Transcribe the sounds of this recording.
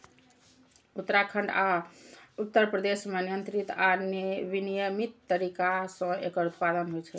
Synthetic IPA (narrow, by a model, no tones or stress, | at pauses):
ut̪ːɾakʰəɳɖa | ut̪ːəɾpɾəd̪esmenijənt̪ɾit̪anbinijəmit̪ːəɾikasə̃ekəɾut̪pad̪ənɦojt͡ʃʰɛ